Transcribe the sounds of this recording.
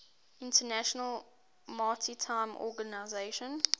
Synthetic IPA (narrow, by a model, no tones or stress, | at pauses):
ɪ̃ntʰənæʃənəlˠ | maltʰitʰãɪ̃mʔɔ̰ɡanaɪzeʃə̃n